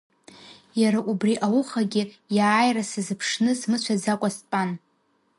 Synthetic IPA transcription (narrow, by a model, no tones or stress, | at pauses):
jaɾaʔubriʔawʊχaɡʲɪ | jaːjrasazɨpʰʂnɨsmɨt͡ɕʷʰad͡zakʷʼaspʼan